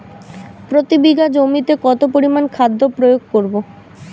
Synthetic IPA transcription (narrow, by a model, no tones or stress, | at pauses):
pɾot̪ibiɡad͡ʑomit̪ekɔt̪opoɾimankʰad̪ʱːopɾojoɡ̚koɾbo